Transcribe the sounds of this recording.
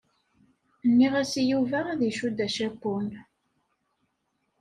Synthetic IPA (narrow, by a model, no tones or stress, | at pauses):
nːiʁæsijuvæðiʃud̪æʃæpːun